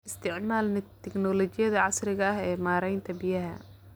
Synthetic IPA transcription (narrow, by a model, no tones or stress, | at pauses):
ʔɪst̪ʰɪʕmaːlnɪt̪ʰːɪknɔlɔt͡ʃɪjɐðɐʕɑsrɪɣɐɐɦɛːmaːɾɛjnt̪ʰɐbɪjɐɦɐ̰